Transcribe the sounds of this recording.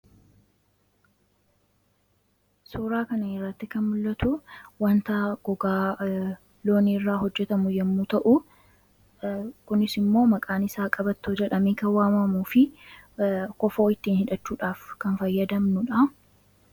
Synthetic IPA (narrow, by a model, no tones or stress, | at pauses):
suːɾaːkɐnɐɛrːɐt̪ːɪkɐnmʊlːɐt̪ʊwɐnt̪aːɡ̥ɔɡaː | lo̞ːniːrːaːɦɔd͡ʒːɛt̪ɐmʊjɛmːut̪ɐʔʊ | kʊnɪsɪmːo̞ːmɐkʼaːnɪsaːkʼɐbɐt̪ːoːd͡ʒɛᶑɐmeːkɐnwaːmɐmuːfɪ | kɔfo̞ːɪt̪ːiːnhɪᶑɐt͡ʃːuːᶑaːfkɐnfɐjːɐd̪ɐmnʊᶑɐ